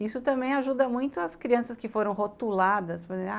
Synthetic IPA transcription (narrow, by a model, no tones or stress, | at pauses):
isʊt̪ɐ̃mbẽj̃aʒud̪ɐmũj̃t̪ʊɐskɾiɐ̃sɐskɪfoɾɐ̃w̃ɦot̪ulad̪ɐspɐẽa